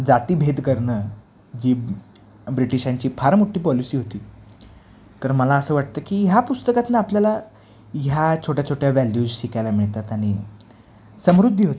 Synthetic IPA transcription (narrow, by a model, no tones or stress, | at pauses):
d͡zat̪iːbʱed̪kəɾɳəː | d͡ʑiː | bɾiʈiɕaɲt͡ɕiːpʰaɾmuʈːiːpɔlisiːɦot̪iː | t̪əɾməlaəsəːʋaʈt̪əːkiːɦjapust̪əkat̪naapljala | jat͡ɕʰoʈjat͡ɕʰoʈjaʋælud͡zɕikajlamiɭt̪at̪aɽ̃iː | səmɾud̪ʱːəɦot̪i